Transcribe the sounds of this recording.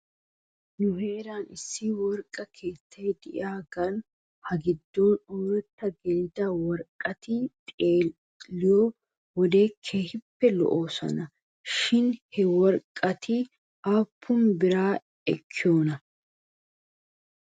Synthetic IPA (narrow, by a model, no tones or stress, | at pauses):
nʊhe̞ːɾaːnɪsːɪwɔɾkʼːɐkʰe̞ːt̪ʰːɐjd̪ɪʔaːɡɐn | hɐɡɪd̪ːoːnoːɾɛt̪ːɐɡɛlɪd̪ɐwɔɾkʼːɐt̪ɪt̪ʼeː | lɪjɔ | wɔd̪e̞ːkʰeːhɪpːɛlɔ̰ʔoːsɐ̰nɐ | ʃɪnhɛwɔɾkʼːɐt̪ʰɪ | ʔaːpʰːʊnbɪɾaː | ɛkʰːɪjoːnɐ